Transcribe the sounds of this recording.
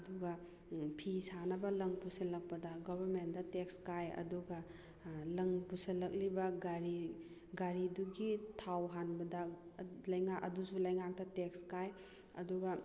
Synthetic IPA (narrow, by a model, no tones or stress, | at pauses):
ɐduɡɐ | pʰisanɐbɐlɐŋpusɐlɐk̚pɐdɐɡɔbɐɾmentdɐtek̚skajɐ̰duɡɐ | lɐŋpusɐlːɐk̚libɐɡaɾi | ɡaɾiduɡitʰawɦanbɐdɐlɐjŋakɐdusulɐjŋak̚dɐtekskaj | ɐ̰duɡɐ